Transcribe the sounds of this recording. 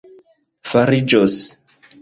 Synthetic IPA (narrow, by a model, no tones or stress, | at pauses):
faɾid͡ʒos